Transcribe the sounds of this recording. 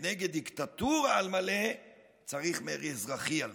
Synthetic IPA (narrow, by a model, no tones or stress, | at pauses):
neɡed̪ikt̪at̪uʁaalmale | t͡saʁiχmeʁizʁaχial